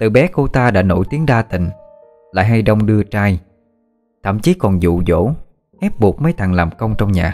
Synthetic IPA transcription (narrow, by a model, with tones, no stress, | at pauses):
t̪ɨ˨˩ɓɛ˨˦ko˧t̪aː˧ɗa̰ː˧˥no̰˧˩jt̪i˨˦əŋɗaː˧t̪ḭ̈˧˨ŋ̟ | la̰ː˧˨jɦa˧jɗə˧wŋ͡mɗɨ˧ət͡ɕaː˧j | t̪ʰə̰˧˨mt͡ɕi˨˦kɔ˨˩nzṵ˧˨zo̰˧˥ | ʔɛ˦˥p̚ɓu˨˩k̚mə˨˦jt̪ʰa˨˩ŋlaː˨˩mkə˧wŋ͡mt͡ɕɔ˧wŋ͡mɲaː˨˩